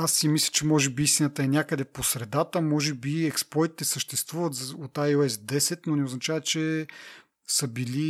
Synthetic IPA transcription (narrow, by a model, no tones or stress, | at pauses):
asːimislʲə̥t͡ʃɛmɔʒɛbiist̪inət̪əɛnʲjakəd̪ɛposɾɛd̪at̪əmɔʒɛbiɛksplɔjt̪i̥t̪ɛsəʃt̪ɛst̪vuvət̪zot̪ajoɛsd̪ɛsɛt̪nonɛoznɐt͡ʃavət͡ʃɛ | səbili